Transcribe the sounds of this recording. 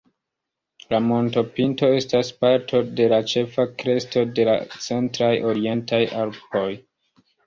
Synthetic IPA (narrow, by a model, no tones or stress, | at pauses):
lamo̞nto̞pinto̞e̞staspaɾtʰo̞de̞lat͡ʃe̞fakɾe̞sto̞de̞la̰t͡se̞ntɾajʔo̞ɾie̞ntajʔalpo̞j